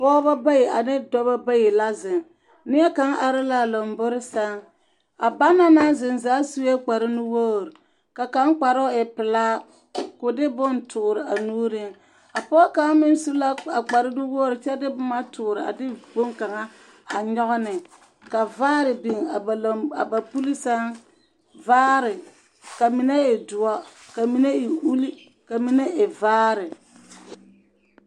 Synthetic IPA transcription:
pɔː˦ba˦ba˦je˨a˨nɪ˦dɔ˦ba˦ba˦je˨la˦zɪ˨ŋ | nɪ˦ɛ˦ka˨˦ŋʔa˨ɾɪ˦la˦˨lo˨mbʊ˦ɾɪ˦sa˦ŋ | a˨ba˦na˦na˦zɪ˨nzaː˨˦su˦e˦k͡pa˨ɾɪ˦nu˦woː˦˨ɾ | ka˨ka˦ŋk͡pa˨ɾɔ˦ɪ˨pɪ˨laː˦ | kʊ˨dɪ˦bʊ˦ntʰʊː˨ɾɪ˨a˨nuː˦ɾɪ˦ŋ | a˨pɔː˦ka˨˦ŋ˦mɪ˦n˦su˦la˦a˨k͡pa˨ɾɪ˦dɪ˦wɔ˦ɾɪ˨t͡ʃɛ˦dɪ˦bʊ˦ma˦tʰʊː˨ɾɪ˨a̰˨dɪ˦bo˦ŋka˨ŋa˦ | a˨ɲɔ˦ɣʊ˦nɪ˨ | ka˨vaː˦ɾɪ˨bi˨ŋa˨a˨ba˨pu˦li˦sa˦ŋ | vaː˦ɾɪ˨ | ka˨mɪ˨na˦e˨dʊ˨a˦ka˨mi˨ne˦ɪ˨u˦li˦ | ka˨mi˨ne˦ɪ˨vaː˦ɾɪ˨

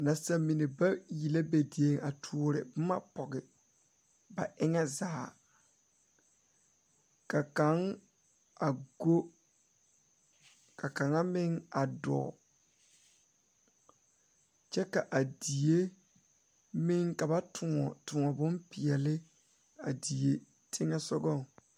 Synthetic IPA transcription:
na˨sa˨mi˨ne˨ba˦ji˨le˦be˨di˨e˦ŋa˨tʰu˨˦ɔ˦ɾɪ̰˨bʊ˦ma̰˦pɔ˨ɡɪ˨ | ba˨ʔɪ˦ŋɛ˦zaː˨ | ka˨ka˦ŋ | a˨ɡo˦ | ka˨ka˨ŋa˦mɪ˦ŋa˨dɔ̰˨ | t͡ʃɛ˦ka˨ʔa˨di˨je˦ | mɪ˦ŋka˨ba˦tʰʊ˨ŋɔ˨tʊ˨ŋɔ˨bʊ̃˦mpɪ˨ɛ˨lɪ˦ | a˨di˨e˨ | tʰɪ˦ŋɛ˦sɔ˦ɡɔ˦˨ŋ

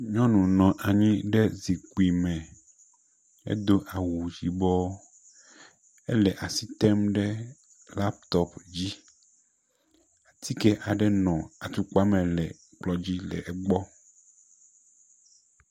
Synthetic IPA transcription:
ɲɔ̃˦nũ˨nɔ̃˨ʔa˨ɲĩ˦ɖɛ˦zi˨ku˨i˨mɛ̃˨ | ḛ˦d̪o˦ʔa˨wu˨d͡ʑi˨bɔ˦ | ḛ˦lɛ˨ʔa˨si˦t̪ɛ˦mɖɛ˦ | la˦p̚t̪ɔ˦pd͡ʑi˦ | a˨t̪ʰi˦kɛ˦ʔa˨ɖɛ˦nɔ̃˨a˨t̪u˨k͡pa˦mɛ̃˨lɛ˨ | k͡plɔ˦d͡ʑi˦lɛ̰˨ʔɛ˨ɡ͡bɔ˦

